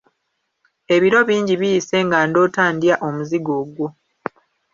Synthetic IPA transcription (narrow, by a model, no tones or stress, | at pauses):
e̞βiɾo̞βiːɲɟiβijːse̞ŋɡando̞ːtaːndjaʔo̞muziɡo̞ɡwo